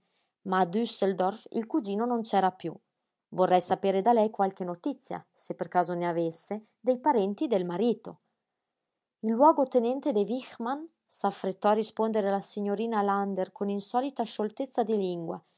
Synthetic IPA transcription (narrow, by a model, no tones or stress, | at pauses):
maːd̪yseld̪ɔrfḭlkud͡ʒiːnonont͡ʃɛɾapjṵ | vorːɛjsapeːɾed̪alɛjkwalkenot̪it̪sja̰sepeɾkaːzoneavesːe | d̪ejpaɾɛnt̪id̪elmaɾiːt̪o | ilːwɔɡot̪enɛnt̪ed̪evixman | safɾet̪ːɔaɾispond̪eɾealasiɲoɾiːnaland̪eɾkʰoninsɔlit̪aʃolt̪et̪sːad̪iliŋɡwa̰